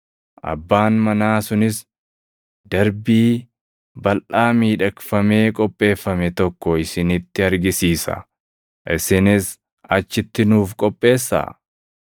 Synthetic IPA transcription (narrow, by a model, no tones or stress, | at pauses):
ʔɐ̰bːaːnmɐnaːsʊnɪs | d̪ɐɾbiː | bɐlʔaːmiːᶑɐkfɐme̞ːkʼɔpʼːe̞ːfːɐmɛt̪ɔkːɔɪsɪnɪt̪ːɪɐɾɡɪsiːsɐ̰ | ʔɪsɪnɪs | ɐt͡ʃːɪt̪ːɪnuːfkʼɔpʼːe̞ːsːa̰